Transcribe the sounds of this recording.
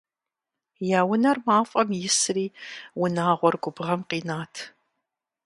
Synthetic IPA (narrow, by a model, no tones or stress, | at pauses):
jaːwʊnɐrmaːfʼɐmjɪsriːwʊnaːʁʷɔrɡʷʊbʁɐmqiːnaːtʰ